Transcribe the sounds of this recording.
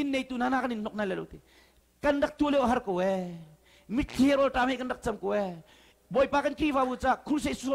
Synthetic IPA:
inːejt̪unanakaninnɔk̚nalɛlo̰wt̪i | kɐndɐk̚t̪uəlewʔɦɐɾkowɛ | mit̪̚kʰiɛɾɔlʈamhekɐndɐk̚t͡sɐmkɔwɛ | bɔjpakɐnkɾivabut͡sakʰuɾs̬ejsuɔ

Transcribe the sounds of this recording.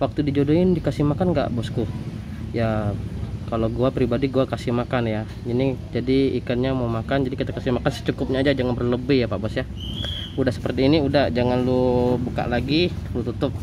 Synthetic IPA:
wak̚t̪udid͡ʒodoɪndikasihmakanɡa̰ʔbɔsku | ja | kaloɡuapɾibadiɡuakasihmakanja | inid͡ʒadiikanɲamaumakand͡ʒadikit̪akasihmakansə̥t͡ʃukʊp̚ɲaːd͡ʒad͡ʒaŋanbərləbɪhjapaʔbɔsja | udahsə̥pərt̪iːniudahd͡ʒaŋanlubuka̰ʔlaɡilut̪ut̪ʊp̚

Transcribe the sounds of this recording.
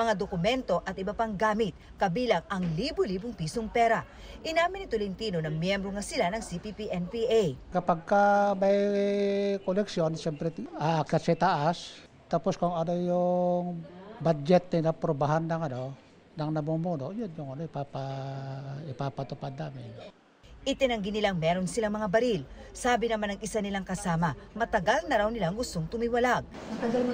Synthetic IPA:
mɐŋad̪okʊmɛnt̪o̞ʔɐt̪ɪbɐpaŋɡaːmɪt̪̚ | kɐbiːlɐŋɐŋliːbʊliːbʊŋpiːsoŋpɛɾɐ | ʔɪnaːmɪnɪt̪olɪnt̪iːnonɐŋmjɛmbɾoŋɐsɪlanɐŋsipipiʔɛnpiʔajkɐpaɡ̚kamɐj | kolɛksjonʃɛmpɾɛakasɛt̪aʔas | t̪aposkoŋɐnojʊŋbad͡ʒɛt̪̚nɪlapɾobaɦanːɐŋɐno | nɐŋnɐmumuːnoʔjonjʊŋɐnoɪpapa | ɪpapɐt̪ʊpad̪ːaːmɪn | ʔɪt̪ɛnɐŋɡɪnɪlaŋmɛːɾonsɪlaŋmɐŋabɐɾilsaːbɪnɐmanɐŋɪsanɪlaŋkɐsaːmɐmɐt̪ɐɡalnɐɾawnɪlaɐŋɡʊst̪o̞ŋt̪ʊmiwɐlaɡ̚

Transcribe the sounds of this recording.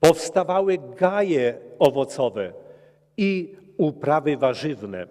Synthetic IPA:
pɔfst̪avawɘɡajɛɔvɔt̪sɔvɛ | iupɾavɘvaʐɘvnɛ̰

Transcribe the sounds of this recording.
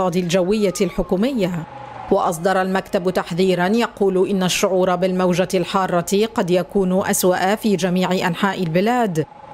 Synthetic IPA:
ɑːd̪ild͡ʒawːɪjːalħʊkuːmɪjːa | wɑʔɑs̬ˤd̪ɑɾˤɑlmakt̪abt̪aħðiːɾanjɑquːlʔɪnːaʃːʊʕuːɾˤɑbɪlmawd͡ʒalħɑːrˤːɑt̪qɑd̪jakuːnʊʔaswaʔafiːd͡ʒamiːʕɪʔanħaːʔɪlbɪlaːd̪

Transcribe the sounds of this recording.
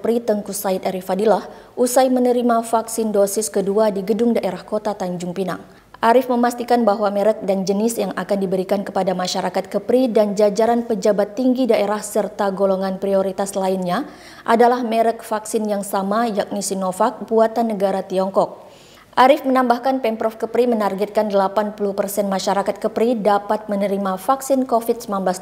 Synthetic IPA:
pɾit̪əŋkusait̪aɾifadilahʔusajmənəɾimafaksɪndosɪskəduadiɡədʊŋdaʔeɾahkot̪at̪aɲd͡ʒʊŋpina̰ŋ | ʔaɾɪfməmast̪ikanbaɦwamɛɾək̚dand͡ʒənɪsjaŋʔakandibəɾikankəpadamaʃaɾakat̪̚kəpɾidand͡ʒad͡ʒaɾanpəd͡ʒabat̪ːiŋɡidaʔeɾahsərt̪aɡoloŋanpɾioɾit̪aslainɲa | ʔadalahmɛɾək̚faksɪnjaŋsamajak̚nisinofak̚buat̪anːəɡaɾat̪iɔŋkɔk̚ | ʔaɾɪfmənambahkanpɛmpɾɔfkəpɾimənarɡɛt̪̚kandəlapanpulupərsɛnmaʃaɾakat̪̚kəpɾidapat̪̚mənəɾimafaksɪnkofit̪̚səmanblas

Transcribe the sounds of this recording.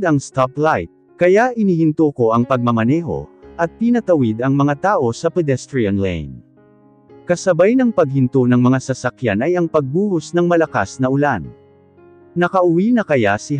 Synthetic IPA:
d̪ɐŋst̪aplajt̪̚ | kɐjaʔɪniːhɪnt̪oko̞ʔɐŋpɐɡ̚mɐmɐnɛːɦo̞̰ʔɐt̪̚pinɐt̪ɐwɪd̪ɐŋmɐŋat̪aːʔo̞sɐpɛd̪ɛst̪ɾiɐnlɛ̰jn | kɐsɐbajnɐŋpɐɡ̚hɪnt̪onɐŋmɐŋasɐsɐkja̰nɐjɐŋpɐɡ̚buːhosnɐŋmɐlɐkasnɐʔʊlan | nɐkɐʔʊwinɐkɐjasɪ

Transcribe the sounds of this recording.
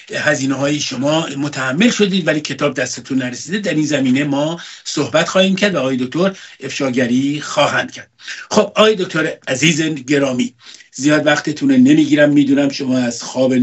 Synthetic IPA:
hæziːneɦɒːjiʃo̞mɒːmot̪ʰæhæmːe̞lʃo̞d̪iːd̪væliːcʰe̞t̪ʰɒːb̚d̪æst̪et̪ʰunːæɾesiːd̪ed̪æɾiːnzæmiːne̞mɒːsohbæt̪xɒːhiːmcʰæɾd̪væɒːje̞d̪o̞k̚ʲt̪ʰo̞ɾe̞fʃɒːɟæɾiːxɒːɦænd̪̥kcʰæɾd̪̥̚xob̥ɒːjed̪ok̚t̪ʰo̞ɾæziːzenɟe̞ɾɒːmiːzijɒːd̪væxt̪ʰet̪ʰunone̞miːɡiːɾæmːiːd̪uːnæmʃo̞mɒːæzxɒːbe

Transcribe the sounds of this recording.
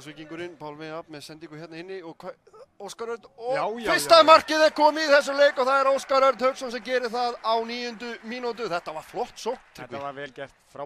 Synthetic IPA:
svɪciŋkʏɾɪnpʰawlvɪjapmɛðsɛnt̪iŋkʏ̥jɛt̪naɪnːɪɔɣkʰa | oːwskaɾœɾt̪ɔfɪst̪aðmar̥cɪðɛɾkʰɔːmɪiθɛsːʏleːjkɔθaðɛɾowskaɾœɾt̪hœɥksɔnsɛmcɛːɾɪθaðawniːjʏnt̪ʏmiːnot̪̬ʏθɛht̪ːavaɾ̥flɔht̪sowht̪ʰɪk̪ːaɾɛːlcɛr̥t̪fɾa

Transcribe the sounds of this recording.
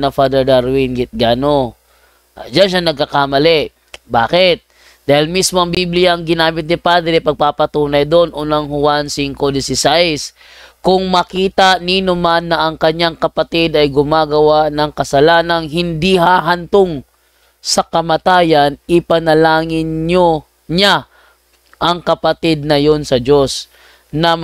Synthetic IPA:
nɐfad̪ɛɹd̪aɾwinɡɪt̪̚ɡaːno | d͡ʒanʃ̬anɐɡ̚kɐkamɐlɛ | baːkɪt̪̚ | d̪aːhɪlmismo̞ʔɐŋbiblɪjaɐŋɡɪnaːmɪt̪̚nɪpad̪ɛɾɛpɐɡ̚papɐt̪uːnɐjd̪onʔonɐŋɦʊwansɪŋkod̪ɪsɪsajs | kʊŋmɐkiːt̪aʔniːnʊmanːɐʔɐŋkɐɲaŋkɐpat̪ɪd̪ɐjɡʊmaːɡɐwaʔnɐŋkɐsɐlaːnɐŋɦɪnd̪iɦaːɦant̪oŋ | sɐkɐmɐt̪aːjanʔɪpanɐlaːŋɪnɲo | ɲa | ʔɐŋkɐpat̪ɪd̪̚nɐjonsɐd͡ʒo̞s | nɐ

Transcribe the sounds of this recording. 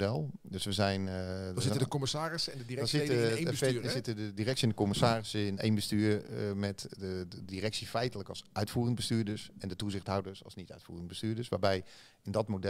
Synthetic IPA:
dɛlˠdøsʋəzɛjnzɪdəkomɪsaːrɪsndədiɛasɪszɪtədədirɛksiɛndəkomɪsaːrɪsɪnḛjnbəstyːrmɛtdədirɛksifɛjtələkɔlˠsʔœɥtfuːrəndbəstyːdəɹsɛndətuzɪxthɦawdəsɔ̰lˠsnitœ̰ɥtfṵːrəndbəstyːɹdəsʋaːbɛj | ɪndɔtmodɛ

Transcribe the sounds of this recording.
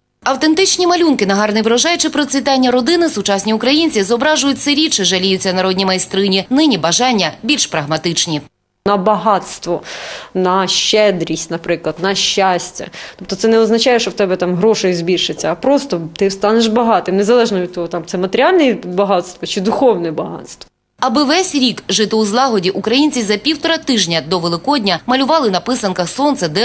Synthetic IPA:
ɐwt̪ent̪ɪt͡ʃnʲimɐlʲunkɪnɐɦɑrnɪʋɾɐʒɑjʊt͡ʃɪpɾɔt͡sʲʋʲit̪ɑnʲːɐɾɔd̪ɪnɪsʊt͡ʃasʲnʲiʊkɾɐjinʲt͡sʲizɔbɾɑʒʊjʊtʲsɪɾʲit͡ʃɪʒɐlʲijʊt͡sʲːɐnɐɾɔd̪ʲnʲijmɐjst̪ɾɪnʲinɪnʲibɐʒɑnʲːɐbʲilʲʃpɾɐɣmɐt̪ɪt͡ʃnʲi | nɐbɐɦɑt̪st̪ʋɔnɐʃt͡ʃːɛd̪ɾʲisʲtʲnɐpɾɪklˠɐd̪nɐʃːasʲtʲɐ̰t̪ɔp̚t̪ɔt̪sɛnɛɔznɐt͡ʃɑjɛʃt͡ʃɔwt̪ɛbɛt̪ɑmɦɾɔʃɔjʊzʲbʲiʃɪt͡sʲːɐːpɾɔst̪ɔt̪ɪst̪ɑneʃbɐɦɑt̪ɪmnezɐlˠɛʒnɔʋʲid̪̚ʲt̪ɔɦɔt̪ɑmt̪ɛmɐt̪eɾʲɑlʲnɛbɐɦɑt̪st̪ʋɔt͡ʃɪd̪ʊxɔwnɛbɐɦɑ̰t̪st̪ʋɔ̥ | ɐbɪʋɛsʲɾʲikʒɪt̪ɪuzlˠɑɦɔdʲiʔukɾɐjinʲt͡sʲizɐpʲiwt̪ɔɾɐt̪ɪʒnʲɐd̪ɔʋelˠɪkɔdʲnʲɐmɐlʲʊʋɑlˠɪnɐpɪsɐnkɐxsɔnt̪sɛd̪ɛ

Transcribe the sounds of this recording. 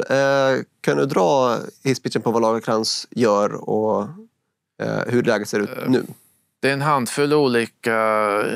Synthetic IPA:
kʰand̪ɵd̪ɾɑːhɪspɪt͡ʃːənpɔvalɑːɡakʰɾansjœːɾɔ̰ | hɵɖɛlɛːɡət̪seːɾʉ̟ːt̪nʉ̟̰ː | d̪̥ɛɛnɦand̪fɵlːuːliːka

